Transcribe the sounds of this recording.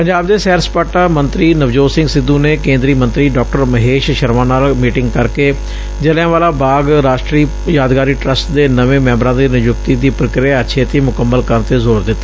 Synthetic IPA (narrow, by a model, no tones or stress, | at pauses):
pəɲd͡ʒaːbd̪eːsɛːɾspaːʈaːmənt̪ɾiːnəʋd͡ʒoːsɪ̃ŋɡsɪd̪ũːneːkẽːnd̪ɾiːmə̃nt̪ɾiːɖɔːk̚ʈəɾməɦeːʃʃəɾmãːnaːlmiːʈɪŋɡkəɾkeː | d͡ʒəlãːʋaːlaːbaːɡɾaːʃʈɾiː | jaːd̪ɡaːɾiːʈɾəsʈd̪eːnəʋẽːmɛ̃ːmbɾãːd̪eːnɪjʊkt̪iːd̪iːpɾəkɾɪaːətːʃʰeːt̪eːmʊkəmːəlkənt̪eːzoːɾd̪ɪt̪ːaː